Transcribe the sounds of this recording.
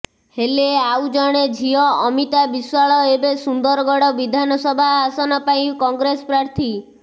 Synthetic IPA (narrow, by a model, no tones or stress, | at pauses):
heleawd͡ʒɔɽ̃ed͡ʒʱiɔːmit̪abiswaɭɔebesund̪ɔɾɔɡɔɽɔbid̪ʱanɔsɔbʱaːsɔnɔpaĩkɔŋɡɾesɔ̥pɾaɾt̪ʰi